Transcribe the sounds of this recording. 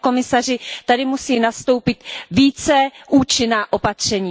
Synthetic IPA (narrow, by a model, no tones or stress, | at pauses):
ko̞mɪsarɪt̪adɪmusiːnast̪o̞wpɪt̪viːt͡sɛʔuːt͡ʃɪnaːʔo̞pat̪r̝̥ɛɲiː